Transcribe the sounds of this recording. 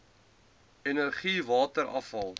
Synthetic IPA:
enərχivɑːtəɾʔɐ̰fɐlˠ

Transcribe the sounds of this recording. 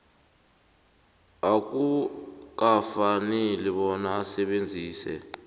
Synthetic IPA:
ak̬uk̬afanɛliɓɔnaːsɛɓend͡zʱiːsɛ̰

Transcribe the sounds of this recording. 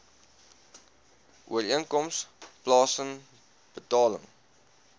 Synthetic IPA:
ʔuəɾiənkɔmsplɑːsən | b̥ətɑːlə̰ŋ

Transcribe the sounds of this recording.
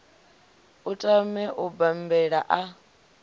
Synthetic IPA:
utʼamɛʔubambɛɺa̰ʔa

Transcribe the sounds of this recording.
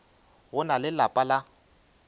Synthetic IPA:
ɣʊnalɪlapʼala

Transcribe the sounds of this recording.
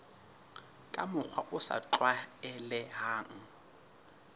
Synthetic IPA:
kʼamʊk͡xʰwaʔʊsa̰ǁwaɛlɛɦaːŋ̩

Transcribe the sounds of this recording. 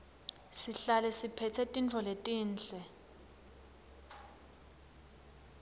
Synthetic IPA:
siɬalɛsipʰɛtʰɛtʼint͡fʰɔletʼiːnt͡ɬɛ

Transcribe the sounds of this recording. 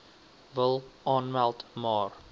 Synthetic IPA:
vəlˠʔɑːnmælˠtmɑːr

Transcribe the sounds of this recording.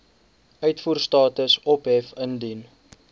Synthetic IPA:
œɥtfuːrstɑːtəsɔpɦɛfəndin

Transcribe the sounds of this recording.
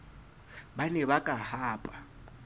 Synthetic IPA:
banɛβakʼahaːpʼa

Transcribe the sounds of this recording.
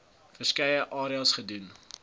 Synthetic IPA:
fərskɐjəʔɑːɾiəlˠsχədun

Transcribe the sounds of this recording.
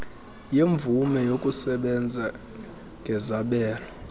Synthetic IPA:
jeɱb̪vumɛjokʼusɛɓɛnd͡zʱa | ŋɡʱɛzaɓɛːlɔ

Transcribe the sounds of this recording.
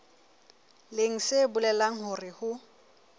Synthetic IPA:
leŋ̩sebʊlɛlaŋ̩ɦʊrɪhʊ

